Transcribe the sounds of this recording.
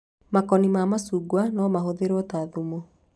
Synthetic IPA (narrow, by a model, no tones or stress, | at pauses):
makɔnimamasuːɡwanɔmaɦoðeɾɔtaðumo